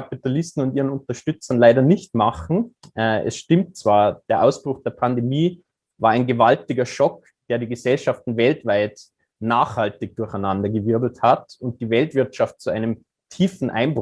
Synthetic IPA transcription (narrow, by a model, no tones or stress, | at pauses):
kapitalɪstn̩ʊntiːʁənʊntɐʃtʏt͡sɐnlaɪɾɐnɪçtmaχn̩ʔɛʔɛ̰sʃtɪmtt͡sv̥aːɐd̥eːɐʔaʊsb̥ʁ̥ʊxd̥eːɐpʰandemiː | vaːɐaɪnɡəvaltɪɡɐʃɔk | d̥eːɐdiːɡəzɛlʃaftn̩vɛltv̥aɪt | naːχhaltɪç̚d̥ʊɐçaɪnandɐɡəvɪɐdl̩thatʊnt̚d̥iːvɛltv̥ɪɐtʃaft̚t͡suʔaɪnəm | tʰiːfn̩ʔa̰ɪnb